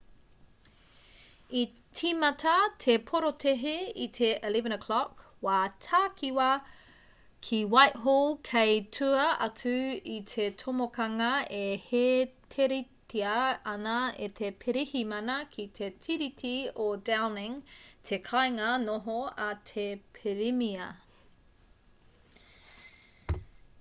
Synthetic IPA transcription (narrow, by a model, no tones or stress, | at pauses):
i | tʰimɐtʰɐtʰepʰoɾotʰeɦeitʰeʔelevɛnəkʰlɔk | waːtʰaːkʰiwɐ | kʰiwajʔɦolˠkʰejtʰuɐʔɐtuitʰetʰomokɐŋɐehetʰeɾitʰiɐɐnɐetʰepʰeɾihimɐnɐkʰit̪ʰetʰiɾitʰiodawnɪŋtʰekʰajŋɐnoɦoɐtʰepʰeɾimiɐ